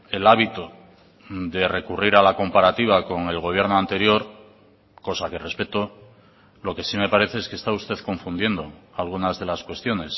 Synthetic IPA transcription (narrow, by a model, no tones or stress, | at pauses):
e̞laβ̞it̪o | d̪e̞re̞kuriɾalako̞mpaɾat̪iβako̞ŋe̞lɣ̞o̞β̞je̞ɾnoant̪e̞ɾjo̞ɾ | ko̞sake̞re̞spe̞t̪o̞ | lo̞ke̞sime̞paɾe̞θe̞eskest̪aust̪e̞ðko̞ɱfund̪je̞nd̪o̞alɣ̞unazðe̞laskwe̞st̪jo̞ne̞s